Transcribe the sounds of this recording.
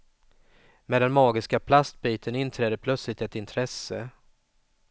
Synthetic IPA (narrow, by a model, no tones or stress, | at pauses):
meːd̪ɛnmɑːɡɪskapʰlast̪̚biːt̪ʰənɪnt̪ʰɾɛːd̪əpʰlœt̪slɪk̚t̪ɛt̪ɪnt̪ʰɾɛsə